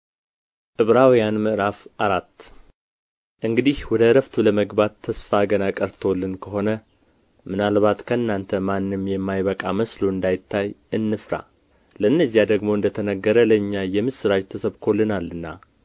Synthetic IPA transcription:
ʔɨβɾawjanmɨʔɨɾafʔaɾat̪ː | ʔɨŋɡɨd̪ihwɔd̪əɾəft̪ʰuləməɡbat̪ʰːəsfaɡənakʼəɾt̪ʰo̞lːɨnkʰəɦo̞nə | mɨnalβat̪kʰəɨnːant̪ʰəmanːɨmjɛmːajβəkʼaməsloɨnd̪ajɪt̪ʰːajʔɨnːɨfɾa̰ | ləɨnːəzːijad̪əɡmo̞ɨnd̪ət̪ʰənəɡːəɾələɨɲːajɛmɨsɨɾad͡ʒt̪ʰəsəβkʰo̞lːɨnalːɨnːa̰

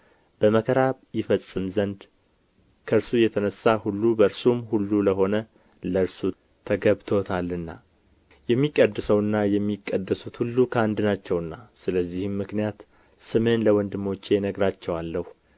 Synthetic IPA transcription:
b̥əməkʰəɾaβjɪfəsʼɨmzənd̪ | kʰəɨɾsujɛt̪ʰənəsːahulːubəɾsumhulːuləɦo̞nə | ləɾsu | t̪ʰəɡəβt̪ʰo̞t̪ʰalːɨnːa | jɛmːikʼːəd̪ːɨsəwɨnːajɛmːikʼːəd̪ːəsut̪hulːukʰəand̪ɨnat͡ʃːɛwɨnːasɨləzːihɨmːɨknijat̪ | sɨmenləwɔnd̪ɨmːo̞t͡ʃːenəɡɾat͡ʃːɛwalːəhu

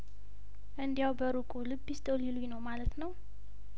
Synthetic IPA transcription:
ʔɨnd̪ijawbəɾukʼulɨbːist̪ʰʼolilujnəwmalət̪nəw

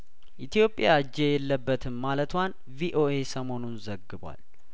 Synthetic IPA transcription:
ʔit̪ʰijo̞pʼːjad͡ʒejɛlːəbːət̪ʰɨmːalət̪ʰwan | viʔo̞ʔe̞səmo̞nunzəɡːɨbwa̰l

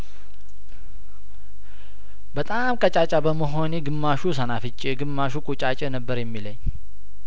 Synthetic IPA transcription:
bət̪ʼamkʼət͡ʃʼat͡ʃʼabəməɦo̞njɛɡɨmːaʃus̬ənafɨt͡ʃʼiɡɨmːaʃukʼut͡ʃʼat͡ʃʼənəbːəɾjɛmːiləɲː

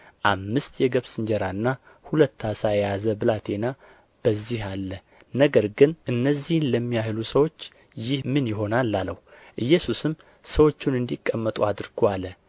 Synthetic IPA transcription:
ʔamːɨst̪jɛɡəβsɨɲd͡ʒɛɾanːa | hulət̪ːasajjazəbɨlat̪ʰe̞na | b̥əzːihalːə | nəɡəɾɡɨnʔɨnːəzːihnləmːijahlusəwo̞t͡ʃː | jɪhmɨnjɪɦo̞nalːaləhu | ʔɨjːɛsusɨm | səwo̞t͡ʃːunɨnd̪ikʼːəmːət̪ʼuad̪ɨɾɡʰoalə

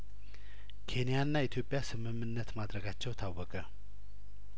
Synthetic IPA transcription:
kʰenijanːajt̪ʰopːasʰəməmənːət̪ʰmat̪əɡat͡ɕʰoht̪ʰap̚wəkə

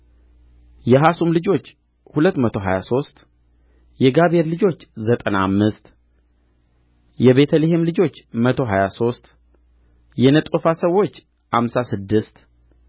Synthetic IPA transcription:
jɛɦasumlɨd͡ʒo̞t͡ʃː | hulət̪ːmət̪ʰo̞ɦajaso̞st̪ʼ | jɛɡaβeɾlɨd͡ʒo̞t͡ʃːzət̪ʼənamːɨst̪ʼ | jɛβe̞t̪ʰəlihemlɨd͡ʒo̞t͡ʃːmət̪ʰo̞ɦajaso̞st̪ʼ | jɛnət̪ʼufasəwːo̞t͡ʃː | hamsasɨd̪ːɨst̪

